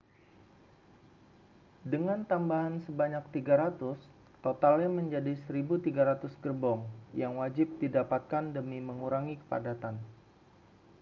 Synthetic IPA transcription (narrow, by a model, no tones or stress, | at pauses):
dəŋant̪ambaɦansəbaɲak̚t̪iɡaɾat̪ʊs | t̪ot̪alɲaməɲd͡ʒadisəɾibut̪iɡaɾat̪ʊsɡərbɔŋjaŋwad͡ʒɪp̚didapat̪̚kandəmiməŋuɾaŋikə̥pa̰dat̪an